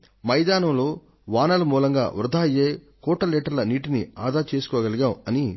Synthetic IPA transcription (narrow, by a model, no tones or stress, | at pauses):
mɐjd̪aːnɐmloː | ʋaːnɐlɐmuːlɐŋɡa̰ːʋɾud̪ʱaːɐjeː | kɔːʈːɐlɛːʈɐɾlɐniːʈiniaːd̪ʱaːt͡ʃe̞ːsu̥kɔːɡɐliɡaːwɐni